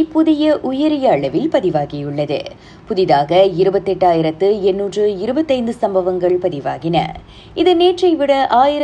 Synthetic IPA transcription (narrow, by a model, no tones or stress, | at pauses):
pʊðɪjɐʔʊjɐɾɪjɐːɭɐʋɪlpɐðɪʋaːɣɪjɯɭːɐðɯ̰ | pʊðɪðaːɣɐɪɾɯbɐt̪ːɛʈːaːjɪɾɐt̪ːɯɛnːuːʈrɯɪɾɯbɐt̪ːɐɪnd̪ɯsɐmbɐʋɐŋɡɐɭpɐðɪʋaːɣɪnɐ̰ | ɪðɯneːʈrɐɪʋɪɽɐʔaːjɪɾ